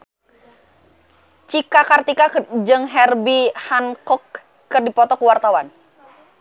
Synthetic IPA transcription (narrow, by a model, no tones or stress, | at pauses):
t͡ʃikakart̪ikad͡ʒɨŋɦɛrbihankɔkː | ɨrdipɔt̪ɔkuwart̪awan